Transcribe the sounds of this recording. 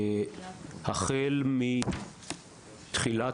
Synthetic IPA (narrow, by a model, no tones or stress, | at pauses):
haχelmi | t̪χila